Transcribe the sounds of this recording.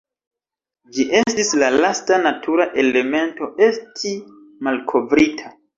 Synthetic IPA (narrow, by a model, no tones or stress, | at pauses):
d͡ʒiʔe̞stislalastanatʰuɾaʔe̞le̞me̞nto̞ʔe̞stʰi | malkʰo̞vɾitʰa